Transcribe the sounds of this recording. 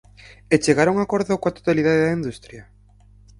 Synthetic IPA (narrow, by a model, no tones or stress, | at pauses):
et͡ʃeɣaɾuŋakoɾðokoat̪o̥t̪aliðaðeðaind̪ust̪ɾja